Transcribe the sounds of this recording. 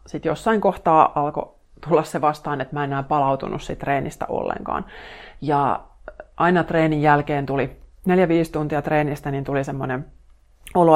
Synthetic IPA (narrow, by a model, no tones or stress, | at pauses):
sit̪josːɑiŋkoht̪ɑːʔɑlko̰ | t̪ulːɑsseʋɑst̪ɑːnet̪mæenæːpɑlɑut̪ṵnussit̪ːreːnist̪ɑ̰ʔo̰lːḛŋkɑ̰ːnjɑ | ʔɑinɑt̪reːnijjælkeːnt̪ulineljæʋiːst̪unt̪iɑt̪reːnist̪ænint̪ulisemːonem | olo